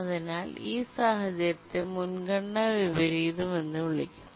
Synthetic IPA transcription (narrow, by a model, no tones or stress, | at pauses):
ɐðinaːliːsaːɦɐd͡ʑɐɾɐt̪ːemunɡɐɳːɐʋiʋɐɾiːðume̞nːɨʋiɭikʲːum